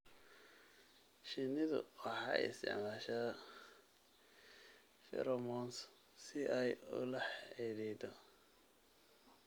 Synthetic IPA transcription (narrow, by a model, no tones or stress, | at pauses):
ʃɪnɪðʊ̰wɑħɑ̰ɪ̰st̪ɪ̰ʕmaːʃa | fɛ̰ɾɔmɔns | sɪʔɛjʊ̰lɐħɛðɛjd̪ɔ